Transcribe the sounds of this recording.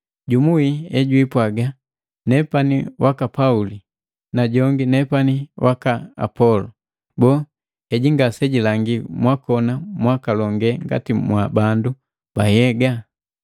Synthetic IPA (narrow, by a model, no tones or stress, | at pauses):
ɟumuiɛɟwipwaɡa | nɛpaniwʔakapauli | naɟɔŋɡinɛpaniwʔakaa̰pɔlɔ | bɔ | hɛɟiŋɡasɛɟilaŋɡimwakɔnamwakalɔŋɡɛŋɡa̰timwabandu | b̥ajɛɡa